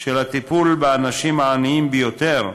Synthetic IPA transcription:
ʃelat̪ipulbeanaʃimaːniimbejo̞t̪e̞ʁ

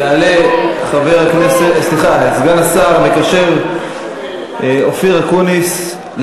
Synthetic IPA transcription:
aaleχaveʁaknesesliχasɡanasaʁbekaʃeʁ | ofiʁakunis | l

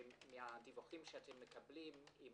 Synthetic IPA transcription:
mihadivuχimʃeatʰemːəkablimim

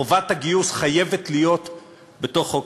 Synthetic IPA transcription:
ovathaɡiusχaje̞ve̞tlijo̞t̪ | be̞to̞χo

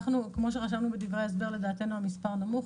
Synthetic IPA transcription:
χnukmo̞ʃ̬eχaʃavnubedivʁeaes̬be̞ʁle̞daːte̞nuamispaʁnamuχ

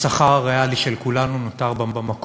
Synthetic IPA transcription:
saχaʁʁajaliʃelkulanunotaʁbabamak

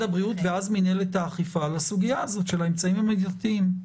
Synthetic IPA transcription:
abʁiutveazmineletaːχifalasuɡijaːzo̞tʃe̞laemt͡saimamevjatiim

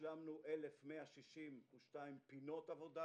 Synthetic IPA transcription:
lamnuʔelefmeaʃiʃimuʃtaimpino̞tavo̞da

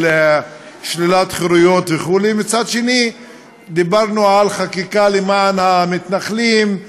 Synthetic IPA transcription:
le | ʃlilat̪χiɾujo̞t̪veχulimit͡sad̪ʃeni | d̪ibaʁnualχakikalemanhamit̪naχlim

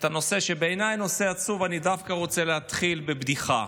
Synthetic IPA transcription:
t̪ano̞se̞ʃe̞beːnajno̞se̞at͡suvanidafkaʁo̞t͡se̞leɦat̪χilbebd̪iχa̰

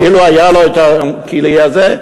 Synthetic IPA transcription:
ɪluajalojt̪akiliazɛ

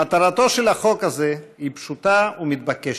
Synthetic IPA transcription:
at̪aʁat̪o̞ʃelaχo̞kazeipʃut̪aumit̪̚bakeʃ

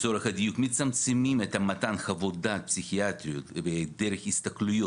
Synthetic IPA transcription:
soɾexɐd̪ijukmit̪t͡sɐmt͡sɨmimɛt̪ɐmɐt̪anxɐvod̪at̪̚psʲixiat̪ɾʲijut̪ved̪eɾexist̪ɐklujo

